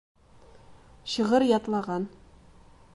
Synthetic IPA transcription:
ɕɤ̆ʁɤɾjɒt̪lˠɑʁɑn

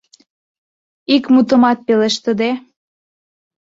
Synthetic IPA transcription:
ikmut̪ə̆mɑt̪̚peleʃt̪əd̪e

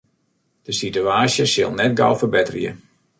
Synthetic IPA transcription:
d̥əsityaːsjəsɪlˠnɛt̚ɡa̰wˠfərbɪtərjə̰

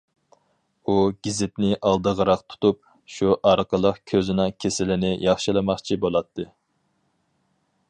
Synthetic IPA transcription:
uɡ̥ʲizɪt̪nɪʔɑlˠd̪əʁəɾɑqt̪ʰu̥t̪up̚ | ʃuʔɑɾqəlˠəqkʲʰøzɪnɑkʲʰesɪlɪnɪjɑχʃilˠɨmɑχt͡ʃʰibolˠɑt̪ʰːɨ

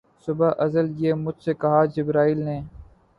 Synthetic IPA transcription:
sʊbaːʔəzəljeːmʊd͡ʒʱseːkəɦaːd͡ʒɪbɾaːiːlneː

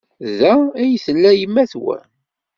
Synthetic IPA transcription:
ðææjθəlːæjəmːæθwæ̰

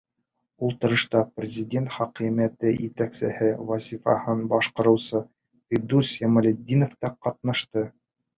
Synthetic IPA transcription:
ulˠt̪ɤ̆ɾɤ̆ʃt̪ɑprʲɪzʲidʲent̪χɑqimæt̪ɘjɘt̪æksɘ̰̆hɘvɑzʲifɑ̰hɤnbɑʃqɤ̆ɾɤ̆wsɤ | fed̪uɾsemɤ̆lʲed̪ʲːinŏft̪ɑqɑt̪̚nɑʃt̪ɤ

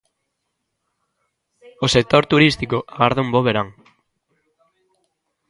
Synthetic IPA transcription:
osek̚t̪oɾt̪uɾist̪ikoʔaɣaɾðaumboβeɾaŋ

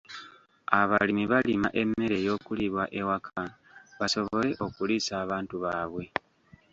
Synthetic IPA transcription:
aβa̰limiβalimaʔe̞mːe̞ɾe̞jo̞ːkuliβwaʔe̞wakʰa | βaso̞βo̞le̞ʔo̞kulisaːβaːntuβaːβwe̞

